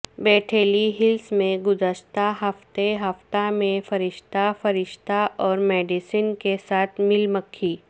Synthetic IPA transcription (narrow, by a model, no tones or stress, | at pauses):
bɛːʈʰeːliɦɪlsmẽɡʊzəʃt̪aɦɐft̪eɦɐft̪amẽfɐɾɪʃt̪afɐɾɪʃt̪aʔɔːɾmɛːɖisinkesaːt̪ʰmɪlməkʰːiː